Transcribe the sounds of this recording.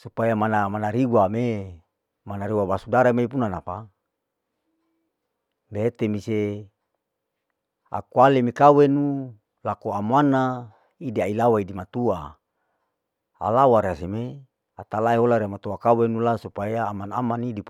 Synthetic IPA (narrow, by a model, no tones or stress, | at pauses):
supajamanamanaɾiwame | manaɾiwabasudaɾamepunanapa | bet̪emise | a̰kualemekawenu | lakoamana | idiailawaidimat̪ua | a̰lawaɾeaseme | at̪alaeɦolaɾeamat̪uakawenulasupajaːmana̰manidip